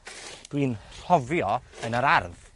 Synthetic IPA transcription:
d̥winɔvjɔənəɾarð

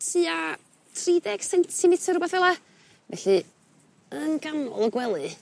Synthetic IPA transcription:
tʰɨa | tʰridɛɡ̥səntʰsinɪtʰərʊbɛθvɛlˠa | vɛɬɨ | ənɡ̥amɔ̰lˠɔɡwɛlˠɨ

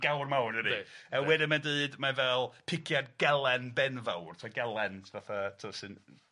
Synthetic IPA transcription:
ɡ̥awrmawnəɾiəwɛdɪmadɨːdmavɛlˠpʰɪkʰjadɡɛlˠɛnbɛnvawrtʰaɡɛlˠɛntʰvaθatʰəsɨn

